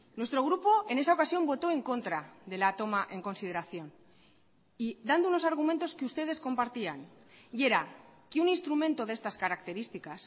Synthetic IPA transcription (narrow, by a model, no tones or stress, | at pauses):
nwe̞st̪ɾo̞ɣ̞ɾupo̞e̞ne̞sao̞kasjo̞mbo̞t̪o̞e̞ŋko̞nt̪ɾaðe̞laːt̪o̞maʔe̞ŋko̞nsið̞e̞ɾaθjo̞n | iðand̪ouno̞saɾɣ̞umẽnt̪o̞skeust̪e̞ð̞e̞sko̞mpaɾt̪ia̰n | ie̞ɾakeunĩnst̪ɾumẽnt̪o̞ðest̪askaɾakt̪e̞ɾist̪ikas